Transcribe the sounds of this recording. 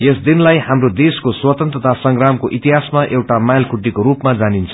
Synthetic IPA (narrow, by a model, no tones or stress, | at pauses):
jesd̪inlajhamrod̪eskoswʌt̪ʌnt̪rʌt̪ʰasʌŋɡramkoʔit̪iɦasmaʔewʈamajlkʰuʈːikoɾupmad͡zanint͡sʰʌ̥